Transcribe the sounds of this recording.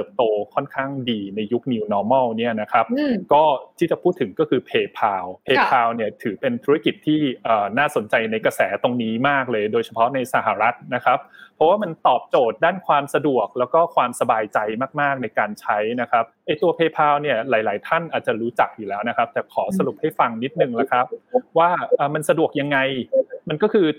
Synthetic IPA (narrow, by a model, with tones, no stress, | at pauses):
ɤː˨˩p̚t̪oː˧kʰɔ˥˩nkʰaː˥˩ŋdiː˧na˧jːu˦˥k̚ni˧wnɔː˧˥mɔː˥˩wni˥˩ɐna˦˥kʰa˦˥p̚kɔː˥˩t̪ʰiː˥˩t͡ɕa˨˩pʰuː˥˩t̪ʰːɯ˨˩˦ŋkɔː˥˩kʰɯː˧pʰeː˧pʰaː˧wpʰeː˧pʰaː˧wni˥˩ɐt̪ʰɯː˩˦pe˧nt̪ʰu˦ɾa˥ki˨˩t̪ʰːiː˥˩ʔəː˨˩naː˥˩so˩˦nt͡ɕa˧jna˧jka˧sɛː˩˦t̪o˧ŋniː˦˥maː˥˩k̚lɤː˧jdoː˧jt͡ɕʰa˧pʰɔ˦˥na˧jsa˧˩ɦa˨˩ɾa˦˥t̪̚na˦˥kʰa˦˥p̚ʰːɔ˦˥waː˥˩ma˧nt̪ɔː˨˩p̚t͡ɕoː˨˩t̪̚daː˥˩nkʰwaː˧msa˧du˨˩ək̚lɛː˦˥wkɔː˥˩kʰwaː˧msa˧baː˧jt͡ɕa˧jmaː˥˩k̚maː˥˩k̚na˧jkaː˧nt͡ɕʰa˦˥jna˦˥kʰa˦˥p̚ʔa˥˩jt̪u˧ɐpʰeː˧pʰaː˧wni˥˩ɐlaː˩˦jlaː˩˦jt̪ʰa˥˩nʔaː˨˩t̪̚t͡ɕa˨˩ɾuː˦˥t͡ɕa˨˩k̚juː˨˩lɛː˦wna˦˥kʰa˦˥p̚t̪ɛː˨˩kʰɔː˩˦sa˧ɾu˨˩p̚ha˥˩jfa˧ŋni˦˥t̪̚nɯ˨˩ŋla˦˥kʰɾa˦˥p̚waː˥˩ʔaː˨˩ma˧nsa˧du˨˩ək̚ja˧ŋːa˧jma˧nkɔː˥˩kʰɯː˧